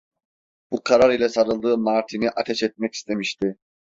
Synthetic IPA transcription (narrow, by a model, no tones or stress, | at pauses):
b̥ukʰaɾaɾilʲɛsaɾɯlˠd̪ɯːmaɾt̪ʰiniʔat̪ʰɛʃɛt̪̚mɛci̥st̪ʰe̞miʃt̪ʰɪ